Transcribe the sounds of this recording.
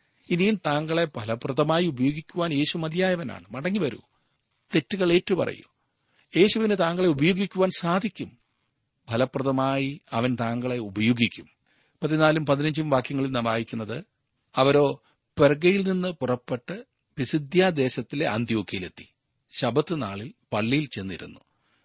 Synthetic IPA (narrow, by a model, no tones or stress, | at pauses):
inijumt̪aːŋɡɐɭe̞bʱɐlɐprɐðɐmaːjiubɐjoːɡikʲːuʋaːnje̞ːɕumɐd̪jaːjɐʋɐna̰ːɳɨmɐɽɐŋːiʋɐɾṵ | t̪e̞tːuɣɐɭe̞ːtːupɐrɐ̰ju̥̰ | je̞ːɕuʋinet̪aːŋɡɐɭe̞ubɐjoːɡikʲːuʋaːnsaːd̪ʱikʲːum | bʱɐlɐprɐðɐmaːjiɐʋɐnt̪aːŋɡɐɭe̞ubɐjoːɡikʲːum | pɐt̪ːinaːlumpɐðinɐɲd͡ʑumʋaːkjɐŋːɐɭilnɐmʋaːjikʲːunːɐðɨ | ɐʋɐɾo̞ː | perɡɐjilninːɨpurɐpːe̞ʈːɨ | ʋisid̪ʱjaːd̪e̞ːɕɐt̪ːile̞ʔɐ̰nt̪ijo̞ːkʰːijile̞̰t̪ːi̥ | ɕɐbɐt̪ːɨnaːɭilpɐɭːijilt͡ɕe̞nːḭɾṵnːu